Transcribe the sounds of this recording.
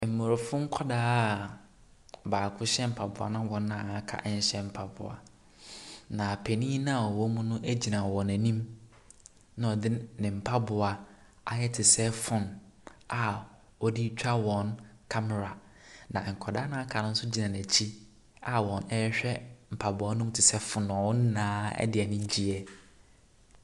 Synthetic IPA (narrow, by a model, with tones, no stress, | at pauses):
m̩˨mo˨ɾʊ˨fʊ̃˦ŋ̩˦kʰɔ˦daː˦˨ | baː˨kʰʊ˦ɕɛ˦m̩˨pʰa˨bʊ˨a̰˨nã˦wɔ̃˨nː˦ã˦˨kʰa̰˦ʔɲ̩˦ɕɛ˦m̩˨pʰa˨bʊ̰˨a̰˨ | nã˨pʰæ˨nĩ˦nã˦a˨ɔ˨wɔ˦mũ˦nʊ̃˦ʔæ˦d͡ʑi˨nã˨wɔ̃˨næ̃˨nĩ˦m | nã˦ɔ˨dɪ˦nɪ̃˨m̩˨pʰa˦bʊ˨a˨ | a˨jɛ˦tʰɪ˨sɛ˦fʊ̃˦na˨ | ɔ˨di˦t͡ɕᶣa˦wɔ̃˨nkʰa˦mɛ˨ɾa˨ | nã˨ŋ̩˨kʰɔ˨da˦nã˦a˦kʰa˨nʊ̃˦n̩˦sʊ˦d͡ʑi˨nã˨n˨æ˨t͡ɕʰi˦ | a˦wɔ̃˨nɛ˦jɛ˦ɕᶣɛ˦m̩˨pʰa˨bʊ˨˦a˦nʊ̃˦m˦tʰɪ˨sɛ˦fʊ̃˨nʊ̃˨wɔ˦n̩˦nãː˦ɛ̰˦dɪ˨ɛ˨nɪ̃˦d͡ʑi˦ɛ˨